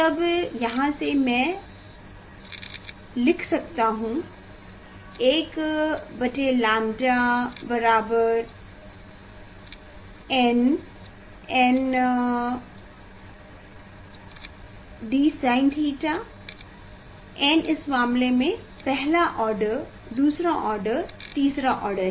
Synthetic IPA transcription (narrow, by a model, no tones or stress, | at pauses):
t̪ɐbjɐɦãsemɛ̃ | lɪkʰsɐk̚t̪aɦũ | eːkbɐt͡ʃelãːmd͡ʒabɐɾaːbəɾ | ɛn | en | ɖiːsaːɪnʈɦiːʈa | ɛ̃ːnɪsmaːmlemẽ | pɛɦlaʔɔːɾɖəɾ | d̪uːsɾaʔɔːɾɖəɾt̪iːsɾaʔɔːɾɖəɾ